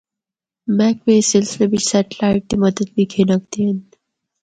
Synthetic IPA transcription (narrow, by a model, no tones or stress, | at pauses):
mɛːkʋeːsɪlslebɪt͡ʃsɛːʈlaːɪʈ̚kimɐd̪əd̪̚bʱikʰenək̚d̪ẽn